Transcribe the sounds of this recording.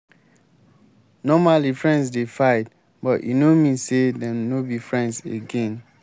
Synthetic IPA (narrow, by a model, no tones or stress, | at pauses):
nɔmalifɹɛ̃ndsdefaɪt̚ | bɔtjḭnomĩnsedɛ̃nobifɹɛ̃ndzeɡɛ̃n